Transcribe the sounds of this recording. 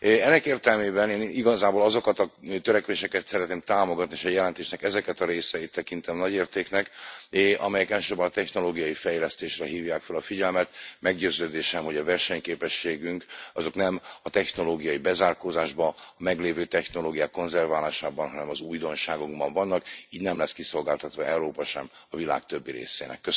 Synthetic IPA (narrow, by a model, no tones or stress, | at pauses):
ɛnːɛkeːrt̪ɛlmeːbɛneːniɡɒzaːboːlɒzo̞kɒt̪ɒt̪øɾɛkʋeːʃɛkɛt̪sɛɾɛt̪neːmt̪aːmo̞ɡɒt̪nieːʃɛjɛlɛnt̪eːʃnɛkɛzɛkɛt̪ɒɾeːsɛjit̪ːɛkint̪ɛmnɒɟeːrt̪eːknɛkʔɒ̰mɛjɛkɛlʃøːbɛnɒt̪ɛçno̞loːɡijɒjifɛjlɛst̪eːʃrɛɦiːvjaːkfɛlɒfiɟɛlmɛt̪mɛɡɟøːzøːd̪eːʃɛmɦo̞ɟɒvɛrʃɛɲkeːpɛʃːeːɡyŋkɒzo̞knɛmɒt̪ɛxno̞loːɡijɒjibɛzaːrkoːzaːʒbɒːmɛɡleːvøːt̪ɛxno̞loːɡijaːkːo̞nzɛrvaːlaːʃaːbɒnɦɒnɛmɒzuːjd̪o̞nʃaːɡuɡbɒɱvɒnːɒkiːɟnɛmlɛskiso̞lɡaːlt̪ɒt̪ʋɒɛuɾoːpɒʃɛm | ɒvila̰ːkt̪ø̞bːiɾḛːsḛːnɛ̰kːø